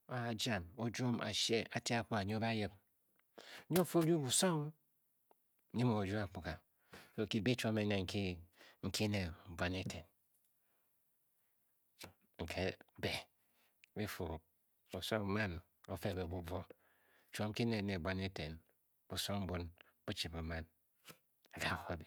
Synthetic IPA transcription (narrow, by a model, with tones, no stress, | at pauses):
a˨a˨d͡ʒa˨no˨d͡ʒo˦mʔa̰˨ʃe˦a˨ti˦a˦˨k͡pu˦ka˨ɲo˦ba˦ji˦b̚ | ɲo˦˨fo˦d͡ʒu˦bu˨so˦ŋ˦ | ɲi˦mo˨d͡ʒu˦a˨k͡pu˨ka˨ | so˨ki˦be˦t͡ʃʷo˦me˨ne˨ŋ̩˨ki˦ŋ̩˦kʰi˦ne˨bʷa˨˦ne˦te˨n | ŋ̩˨kʰe˦be˨ | bi˦fo˨ | u˨so˦ŋ˨ma˦n | o˨fe˦˨be˨bu˨bʷo˦˨ | t͡ʃo˦ŋ̩˦ki˦ne˨ne˨bʷa˦ne˦te˨n | b̥u˨so˦ŋm̩˦bu˦n | b̥u˦t͡ʃi˨mo˨ma˦n | a˨ɡa˦˨ɣo˨bi˨